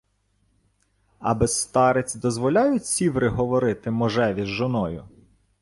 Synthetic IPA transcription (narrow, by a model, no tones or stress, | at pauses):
ɐ̰bɪst̪ɑɾet͡sʲd̪ɔzʋɔlʲɑjʊtʲsʲiʋɾɪɦɔʋɔɾɪt̪ɪmɔʒɛʋʲizʒɔnɔjʊ